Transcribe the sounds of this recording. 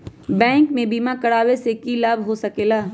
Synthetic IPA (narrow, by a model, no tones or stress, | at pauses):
bɛ̃ːŋkmẽbiːmakɐɽaːwesekilaːbʱɦosɐkeːlaː